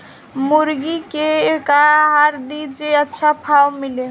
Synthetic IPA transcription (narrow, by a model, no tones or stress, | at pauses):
muɾɡikeːkaɦaɾd̪id͡ʒeətːʃʰapʰawmile